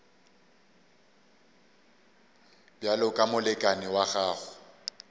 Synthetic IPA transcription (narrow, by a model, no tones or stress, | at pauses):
bjalʊkʼamʊlɛkʼanɪwaɣaːɣʊ